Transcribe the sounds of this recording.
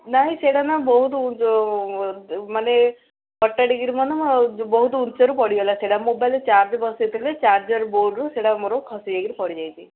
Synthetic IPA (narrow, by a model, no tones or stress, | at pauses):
naɦĩseɽanabɔɦut̪ɔu | mane | kɔʈːaɽiɡiɾimɔnebɔɦut̪ɔunt͡ʃɔɾupɔɽiɡelaseɽamobajlet͡ʃaɾd͡ʒbɔset̪ʰilet͡ʃaɾd͡ʒɔɾboɖɾuseɽamɔɾɔkʰɔsid͡ʒeɡiɾipɔɽid͡ʒajt̪ʰi